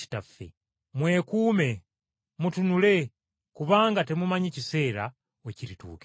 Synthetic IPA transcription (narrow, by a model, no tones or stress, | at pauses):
i̥tafːḛ | mwe̞ːkuːme̞ | mutunule̞ | kuβaːŋɡate̞mumaɲecise̞ːɾa̰ | eciɾitṵːke̥